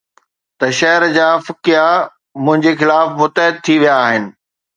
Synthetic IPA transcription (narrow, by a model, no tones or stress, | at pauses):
t̪ɐʃɐɦɾd͡ʑaːfɪkɪja | mʊ̃ɦɪ̃ɲd͡ʑexɪlaːfmʊt̪əɦɪd̪̚t̪ʰiʋijaːɦɪnɪ̆